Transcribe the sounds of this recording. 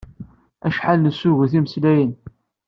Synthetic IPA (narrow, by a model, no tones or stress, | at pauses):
æʃħalnəsːʊʝəθiməslæjən